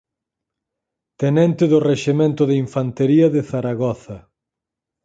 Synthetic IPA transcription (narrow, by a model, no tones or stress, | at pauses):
t̪enɛnt̪eðʊreʃemẽnt̪ʊðeiɱfant̪eɾiɐðeθaɾaɣɔθɐ